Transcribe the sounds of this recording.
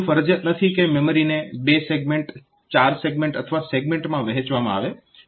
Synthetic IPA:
fəɾəd͡ʒət̪nət̪ʰikememəɾinebeseɡmeɳʈ | t͡ʃaɾseɡmẽɳʈət̪ʰəʋaseɡmẽɳʈmãʋɛɦet͡ʃʋamã̰a̰ʋe

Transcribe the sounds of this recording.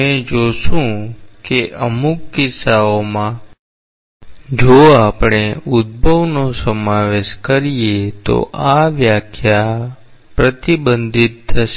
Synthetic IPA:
ɛ̃d͡ʒoʃũkeʔəmukːɪsaomã | d͡ʒoapɳ̃eud̪̚bʱəʋnosəmaʋeʃkəɾijet̪o̰ʔaʋjakʰja | pɾət̪ibənd̪ʱit̪ʰːəʃe

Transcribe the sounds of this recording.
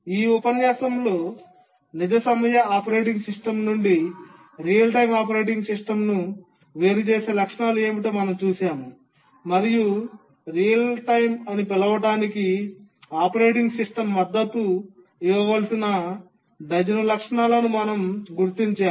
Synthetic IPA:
iːupɐnjaːsɐmlo̞ː | nid͡ʒɐsɐmɐjɐaːpɐɾeːʈiŋɡsiʂʈɐmnuɳɖi | ɾijɐlʈɐjmaːpɐɾe̞ːʈiŋɡsisʈɐmnu | ʋe̞ːɾut͡ʃeːse̞ːlɐkʂɐɳaːlue̞ːmiʈeːmɐnɐmt͡ʃuːsaːmu | mɐɾiju | ɾijɐlʈɐjmɐnipɛlɐʋɐʈaːniki | aːpɐɾe̞ːʈiŋɡsiʂʈɐmːɐd̪ːɐt̪ːu | iʋɐʋaːlɐsinɐ | ɖ̪ɐd͡ʒɐnɐlɐkʂɐɳaːlɐnumɐnɐmɡuɾt̪iɲt͡ʃaː

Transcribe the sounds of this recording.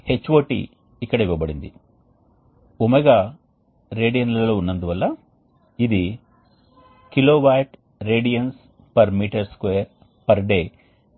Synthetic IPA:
het͡ʃːʋoːʈḭː | kːɐɽɐiʋɐʋɐbɐɽind̪i | omɐɡa | ɾe̞ːɖijɐnlɐɐloːunːɐnd̪uʋɐlːɐ | id̪i | kiloːʋajʈ | ɾeːɖijɐns | pɐɾmiːʈɐɾskʋeːɾ | pɐɾɖeː

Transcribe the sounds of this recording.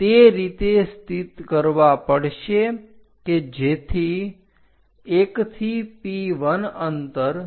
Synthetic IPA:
t̪eɾit̪est̪it̪kəɾʋapəɽʃe | ked͡ʒet̪ʰi | ekt̪ʰipiʋənənt̪əɾ

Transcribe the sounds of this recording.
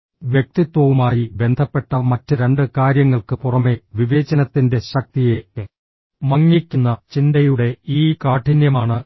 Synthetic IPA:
ʋjek̚t̪it̪wɐʋumaːjibe̞nd̪ʰʱɐpːe̞ʈːɐmɐtːɨɾe̞ɳɖɨkaːɾjɐŋːɐɭkɨpurɐme̞ʋiʋe̞ːt͡ɕɐnɐt̪ːinde̞ɕɐk̚t̪ije | mɐŋːikʲːunːɐt͡ɕindɐjuɽe̞iːkaːʈʰːinjɐmaːɳɨ

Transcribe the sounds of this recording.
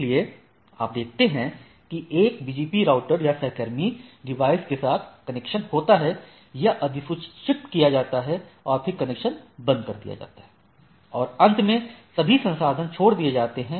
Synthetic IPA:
lie | a̰ːp̚d̪eːk̚ʰt̪eɦɛ̃ | kieːkbiːd͡ʒiːpiɾaːʊʈəɾjasɛɦkəɾmiɖɪʋaːɪskesaːt̪ʰkɐnɛkʃənhoːt̪aɦɛ | jaʔɐd̪ʱɪsʊt͡ʃʃɪpʈkijad͡ʒaːt̪aɦɛɔːɾpʰɪɾkɐnekʃənbɐ̃nd̪̚kɐɾd̪ija̰d͡ʒa̰ːt̪aɦɛː | ɔːɾɐ̃nt̪mẽsɐbʱisɐ̃nsaːd̪ʱənt͡ʃʰoːɽd̪ied͡ʒaːt̪eɦɛ̃

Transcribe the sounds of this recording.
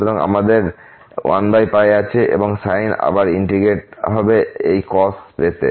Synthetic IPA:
oɾoŋa̰mad̪eɾ | wa̰nbajpajeat͡ɕʰeʔḛboŋsajna̰baɾiɳʈɾiɡeʈ̚ɦɔbeejkɔspet̪ḛ

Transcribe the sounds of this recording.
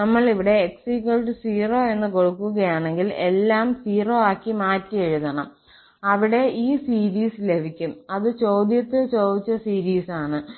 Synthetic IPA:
nɐmːɐɭiʋiɽe̞ːksikuɭʈɨsiːro̞ːe̞nːɨko̞ɻukːuɣɐjaːɳe̞ŋɡile̞lːaːmsiːro̞ːaːkːimaːtːɨeɻuðɐɳɐm | ɐʋiɽe̞ʔiːsiːɾiːslebʱikʲːumɐðɨt͡ɕo̞ːd̪jɐt̪ːɨt͡ɕo̞ːd̪it͡ɕːɐsiːɾiːsaːɳɨ

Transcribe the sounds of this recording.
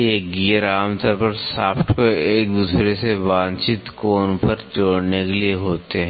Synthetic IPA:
eːkɡiːjəɾaːmt̪ʰəɾpəɾsaːpʰʈʰkoeːk̚d̪uːsɾesebaːnt͡ʃit̪koːnpəɾt͡ʃoːɽnekelieɦoːt̪eɦɛ̃

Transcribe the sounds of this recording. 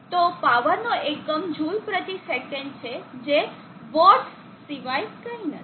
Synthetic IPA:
t̪opaʋəɾnoʔekəmd͡ʒʱujpɾət̪isekəɳɖ̚t͡ʃʰed͡ʒe | bɔɾʈ | siʋajkəĩnə̰

